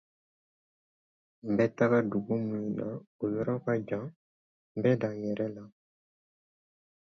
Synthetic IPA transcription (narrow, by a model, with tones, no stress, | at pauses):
m̩˨bɛ˦ta˦ɡa˦du˨ɡu˦mũ˦ji˨na˨o˨jɔ˦ɾɔ˦ka˦d͡ʒã˨˦ | bɛ˦dã˨jɛ˨ɾɛ˦la˨